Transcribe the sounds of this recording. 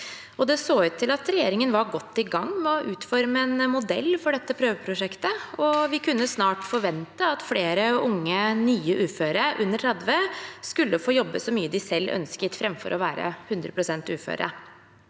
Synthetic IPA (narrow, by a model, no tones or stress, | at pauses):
ɔd̪ɛsoːʉːt̪ʰːɪlɑt̪ɾɛjeːɾɪŋənʋɑɾɡɔt̪ːɪɡɑŋːmɛɔʔʉːt̪fɔɾməɛnmʊd̪ɛ̰lːfɔɖɛt̪ːəpʰɾøːʋəpʰɾʊʂɛkt̪əɔʋɪkʰʉnːəsnɑːʈfɔɾʋɛnt̪əɑt̪fleːɾəʊŋːənyːəʔʉːføːɾəʔʉnːəʈʰɾɑd̪ʋeːskʉlːəfoːjɔbːəsɔmyːəd̪ɪsɛlːʔœ̰nskət̪fɾɛmfɔ̰ɾɔʋæːɾə̰hʉnd̪ɾə̰pʰɾʊsɛnt̪ʉːfø̰ːɾə̰